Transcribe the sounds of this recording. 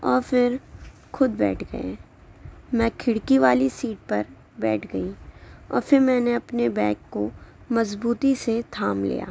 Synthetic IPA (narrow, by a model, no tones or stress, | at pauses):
ɔːɾfɪɾ | xʊd̪̚bɛ̰ːʈʰɡɐ̰ḛ̃ː | mɛ̃ːkʰɪɽkiʋaːlisiːʈ̚pɐɾ | bɛːʈʰɡɐiɔ̰ːɾfɪɾmɛ̃ːneɐpnebɛːkːomɐzbuːt̪iset̪ʰaːmlḭːja̰ː